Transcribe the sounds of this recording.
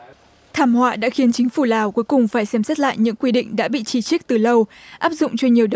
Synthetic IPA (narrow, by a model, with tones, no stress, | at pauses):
t̪ʰaː˧˩mhwa̰ː˧˨ɗa̰ː˧˥xi˨˦nt͡ɕï˨˦ŋ̟fu˧˩laː˨˩wku˨˦əjkʊ˨˩ŋ͡mfaː˧˩jsɛ˧˩msə˦˥t̚la̰ː˧˨jɲɨ̰˧˥ŋkwi˧ɗḭ̈˧˨ŋ̟ɗa̰ː˧˥ɓḭ˧˨t͡ɕi˧˩t͡ɕi˦˥k̚t̪ɨ˨˩lə˧wʔaː˦˥p̚zʊ̰˧˨ŋ͡mt͡ɕɔ˧ɲi˨˩əwɗ